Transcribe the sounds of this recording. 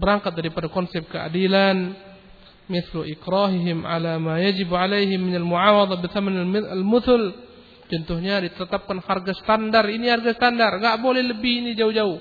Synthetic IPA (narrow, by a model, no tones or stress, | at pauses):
bəɾaŋkat̪̚daɾipadakɔnsɛp̚kəa̰dilan | mɪθluʔɪkɾaɦɪɦɪmʕa̰lamajad͡ʒɪbʕalejɦɪmːɪnalmuʕawɑd̪ˤɑbɪθamanaalmʊθʊl | d͡ʒɔnt̪ʊhɲadit̪ət̪ap̚kanharɡasə̥t̪andariniharɡasət̪andarŋɡaʔbolɛhləbɪhinid͡ʒaud͡ʒauh